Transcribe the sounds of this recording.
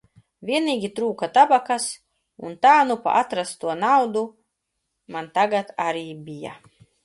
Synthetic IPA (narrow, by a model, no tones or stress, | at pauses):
vʲiɛniːɡʲit̪ɾuːkat̪abakas | unt̪aːnupa̰ʔat̪ɾast̪uɔnawd̪u | mant̪aɡat̪aɾiːbʲija̰